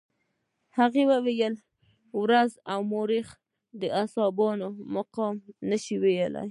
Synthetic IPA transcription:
haɣewəwejəl | wɾazawmoɾix | d̪əasɑbɑnomaqɑmnəʃiwejəla̰j

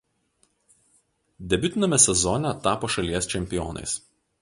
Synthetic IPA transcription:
d̪ʲɛbʲʊt̪ʲɪnʲɐmʲɛsʲɛzɔnʲɛt̪ɑːpoːʃɐlʲiɛst͡ʃʲɛmʲpʲɪjɔ̰ːnɐ̰ɪs

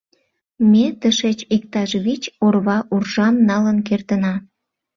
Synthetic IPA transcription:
met̪əʃet͡ɕik̚t̪ɑʒβit͡ɕorβɑʔurʒɑmnɑlənkert̪ənɑ

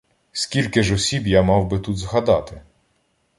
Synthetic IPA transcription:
sʲkʲilʲkɪʒɔsʲibjamɑwbɪt̪ut̪zɦɐd̪ɑt̪ɪ

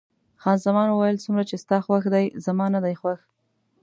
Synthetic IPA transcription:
xɑnzamɑnwuwajəlsumɾat͡ʃest̪ɑxwaxd̪ajzamɑnad̪ajxwax

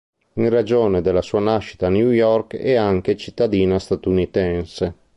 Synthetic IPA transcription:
iŋrad͡ʒoːned̪elːasuːanaʃːi̥t̪anjujɔrkɛ̰aŋk̟et͡ʃit̪ːad̪iːnast̪at̪unit̪ɛnse

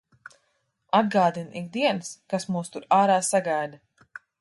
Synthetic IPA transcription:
ad̪̚ɡaːd̪inʔikd̪iɛnskasmuːst̪uɾaːɾaːsaɡajd̪a

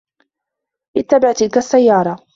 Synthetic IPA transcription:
ʔɪt̪ːabaʕt̪ɪlkasːajːɑːɾˤɑ

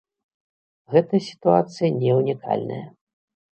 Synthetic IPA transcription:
ɣɛt̪ɐjɐsʲi̥t̪uat̪sɨjɐnʲɛwnʲikʰa̰lʲnɐ̰jɐ

